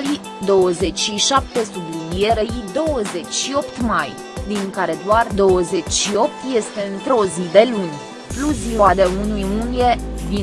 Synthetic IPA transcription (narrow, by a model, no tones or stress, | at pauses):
li | d̪o̞wəze̞t͡ʃʃiʃap̚t̪e̞sublinije̞ɾeid̪o̞wəze̞t͡ʃʲʃio̞pt̪maj | d̪iŋkaɾe̞d̪oard̪o̞wəze̞t͡ʃʲʃio̞p̚t̪je̞st̪e̞ɨnt̪ɾeozid̪e̞lunʲ | plus̬ioad̪eunujunie̞vi